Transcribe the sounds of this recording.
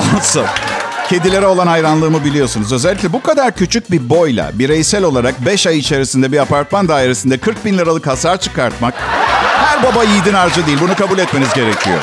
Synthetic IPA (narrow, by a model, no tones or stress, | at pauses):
asancʰe̞d̪ilʲe̞ɾɛo̞lˠanajɾanlˠɯːmɯbilʲijo̞sunuzø̞zɛlʲːiclʲɛbukʰad̪aɾcʰyt͡ʃʰyc̚bibo̞jlʲˠa̰biɾejsælʲo̞lˠaɾak̚bɛʃajit͡ʃʰe̞ɾisind̪ɛbiapaɾt̪mand̪aːiɾesind̪ɛkʰɯɾk̚binlʲaɾalˠɯkhasaːt͡ʃʰɯ̥kaɾt̪̚mak̚hæɾbabajijd̪inaɾd͡ʒad̪ejilʲbunukʰabulʲɛt̪me̞nizɟe̞ɾecʰijo̰